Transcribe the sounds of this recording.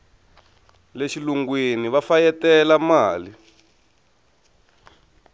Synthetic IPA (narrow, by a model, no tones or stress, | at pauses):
leʃiluŋɡweniβafajɛtɛlamaːli